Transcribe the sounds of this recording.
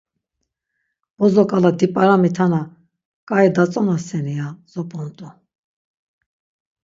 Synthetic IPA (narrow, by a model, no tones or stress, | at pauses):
b̥ɔzɔkʼalad̪ipʼaɾamit̪ʰana | kʼaid̪at͡sʼɔnasɛniaz̥ɔpʼɔnt̪ʼu